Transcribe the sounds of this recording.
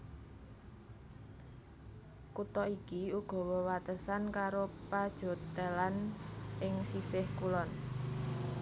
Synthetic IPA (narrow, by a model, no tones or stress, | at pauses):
kut̪ɔʔikiuɡ̥ɔ̤wəwat̪əsankaɾopad̥ʒ̥ɔ̤t̪elanʔɪŋsisɪhkulɔn